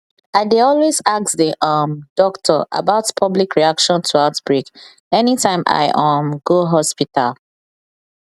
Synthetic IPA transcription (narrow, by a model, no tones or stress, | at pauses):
aɪdeɔlwezak̚sðiʔʌmd̥ɔktʰɔʔa̰baʊtpʰʌblikɹiakʃɔ̃ntʰuaʊtb̥ɹik | ɛnitʰãɪ̃ma̰ɪʔɔmɡoɦɔspital